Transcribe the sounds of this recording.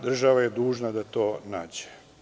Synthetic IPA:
d̪r̩ʒaʋajed̪uːʒnad̪at̪o̞ːnaːd͡ʑe̥

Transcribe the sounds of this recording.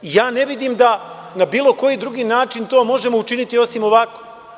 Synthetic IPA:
ijaːne̞ʋid̪iːmd̪a | nabiːlˠo̞ko̞jid̪ɾuɡiːnaːt͡ʃint̪o̞ːmo̞ʒe̞mo̞ut͡ʃinit̪io̞simo̞ʋako

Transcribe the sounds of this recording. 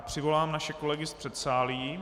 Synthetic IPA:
pr̥ɪvo̞laːmnaʃɛko̞lɛɡɪspr̥ɛt̪saːliji

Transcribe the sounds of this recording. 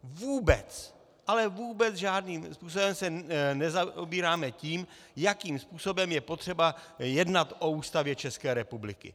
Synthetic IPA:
vuːbɛ̰t͡s | ʔalɛvuːbɛt͡sʒaːdniːmspuːs̬o̞bɛmsɛnɛzaobiːɾaːmɛciːm | jakiːmspuːso̞bɛmjɛpot̪r̝̥ɛbajɛdnat̪ʔo̞uːst̪avjɛt͡ʃɛskɛːɾɛpublɪkɪ̰

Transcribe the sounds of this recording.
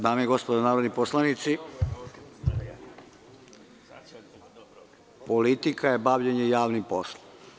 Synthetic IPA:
d̪aːmieɡo̞spod̪onaːɾod̪niposlˠanit̪si | polit̪ikajebaʋʎeɲejaːʋnimposlˠo

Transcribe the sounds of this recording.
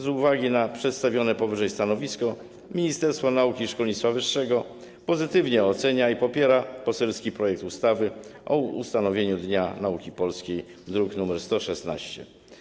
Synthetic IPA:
zuvaɡʲinapʂɛt̪st̪avʲjɔnɛpɔvɘʐɛjst̪anɔvʲiskɔ | mʲiɲist̪ɛɾst̪fɔnaukʲiʂkɔlɲit̪favɘʂːɛɡɔ | pɔzɘt̪ɘvɲɛɔt̪sɛɲaipɔpʲjɛɾapɔsɛlskʲipɾɔjɛk̚t̪ust̪avɘʔɔṵst̪anɔvʲjeɲud̪ɲanaukʲipɔlskʲejd̪ɾuknumɛɾst̪ɔʂɛsna̰ɕt͡ɕɛ̰

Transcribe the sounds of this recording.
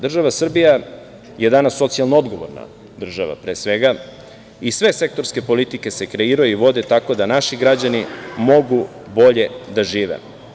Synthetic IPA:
d̪r̩ʒaʋasr̩bija | jed̪anasːo̞t̪sijalˠnoo̞d̪ɡoʋo̰ɾna̰ | d̪r̩ʒaʋa̰pɾe̞ːsʋe̞ɡa | isʋe̞se̞k̚t̪o̞ɾske̞po̞lit̪ike̞sekɾe̞iɾujuiʋo̞d̪e̞t̪ako̞d̪anaʃiɡɾad͡ʑanimo̞ɡu | bo̞ʎe̞d̪aʒiːʋḛ

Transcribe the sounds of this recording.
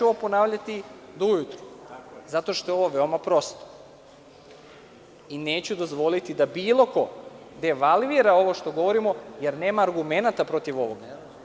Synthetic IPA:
opo̞naːʋʎat̪i | d̪oujut̪ɾozat̪o̞ʃt̪ojeo̞ʋo̞ʋeomapɾo̞st̪o̥ | ine̞ːt͡ɕud̪o̞zʋo̞lit̪id̪abiːlˠo̞ko̞ | d̪e̞ʋalʋiɾao̞ʋoʃt̪o̞ɡo̞ʋo̞ɾimo̞jeɾne̞ːmaːɾɡume̞nat̪apɾo̞t̪iʋo̞ʋo̞ɡa

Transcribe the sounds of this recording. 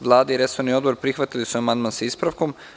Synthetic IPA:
ʋlˠaːd̪aiɾe̞soɾnio̞d̪bo̞ɾpɾixʋat̪ilisuamand̪mansaispɾaʋko̞m

